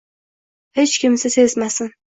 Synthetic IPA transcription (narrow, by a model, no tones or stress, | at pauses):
het͡ʃkʲɪmsɪse̞zmasɪn